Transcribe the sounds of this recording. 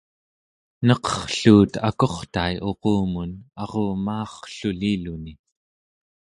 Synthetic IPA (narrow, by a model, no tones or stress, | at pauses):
nʌqʌ̥χɬuːt̪a̰ko̞χt̪ajʔo̞qoːmunɑʁoːmɑːχɬuliluni